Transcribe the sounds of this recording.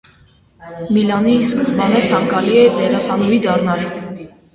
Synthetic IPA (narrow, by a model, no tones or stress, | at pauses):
milɑniskəzbɑnət͡sʰɑŋkɑliɛd̪ɛɾɑsɑnɔid̪ɑrnɑl